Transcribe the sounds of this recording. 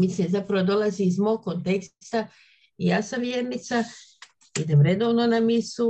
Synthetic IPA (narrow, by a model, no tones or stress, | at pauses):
mislinzapɾaʋod̪o̞laziːzmo̞ɡ̚kːont̪e̞ksst̪a | ijaːsamʋjeːɾnit̪sa | id̪emɾe̞d̪o̞ːʋno̞namisu